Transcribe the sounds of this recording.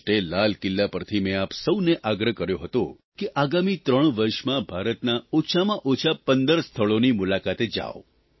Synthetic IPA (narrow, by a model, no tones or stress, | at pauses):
ʈelalkɪlːapəɾt̪ʰimẽapsəwneʔaɡɾəkəɾjoɦət̪o | keʔaɡamit̪ɾəɳ̃ʋəɾʃmãbʱaɾət̪naot͡ʃʰamãʔot͡ʃʰapənd̪əɾst̪ʰəɭonimulakat̪ed͡ʒa̰ʋ